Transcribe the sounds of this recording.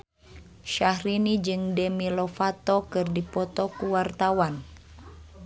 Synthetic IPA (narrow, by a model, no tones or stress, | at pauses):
ʃahɾinid͡ʒɨŋdɛmilɔfat̪ɔkɨrdipɔt̪ɔkuwart̪awan